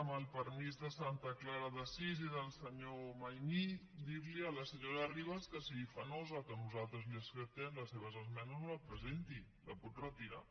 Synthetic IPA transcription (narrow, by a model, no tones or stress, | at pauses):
əməlˠpəɾmizðəsant̪əklaɾəðəsiziðəlˠsəɲomajmi | d̪iɾliələsəɲoɾəriβ̞əskəsiɣifənozəkənuzalˠt̪ɾəzliəskət̪ɛmləsːeβ̞əzəzmɛnəzləpɾəzent̪i | ləput̪rət̪iɾa̰